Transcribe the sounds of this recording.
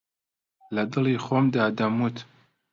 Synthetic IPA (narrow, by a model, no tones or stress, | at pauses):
lɐd̪ɨliːxoːmd̪aːd̪ɐmut̪